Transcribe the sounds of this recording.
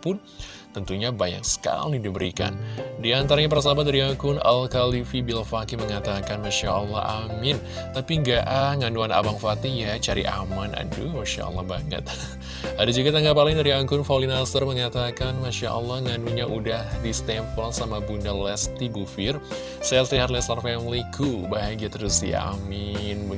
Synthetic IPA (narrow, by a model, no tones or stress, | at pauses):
pʊn | t̪ənt̪uɲabaja̰ŋsə̥ka̰lidibəɾḭka̰ndiant̪aɾaɲapərs̬abat̪̚daɾiaŋkʊna̰lkalifibilfakiməŋat̪akanmaʃa̰ʔəlːɑ̰ha̰mɪn | t̪apiŋɡaʔaŋanuana̰baŋfat̪ijat͡ʃaɾḭʔa̰mana̰dumaʃa̰ʔɔ̰lːɔ̰baŋə̰t̪̚ | adad͡ʒuɡat̪aŋɡapalɪŋdaɾiaŋkʊnfawlinast̪ərməŋat̪akanmaʃaʔɔ̰lːɑhŋanuɲaʔudahdist̪ɛmpɔlsamabundalɛst̪ibufɪr | sasliɦat̪̚lɛst̪anfɛnlikʰubaɦajɡiat̪əɾusdḭa̰mɪnb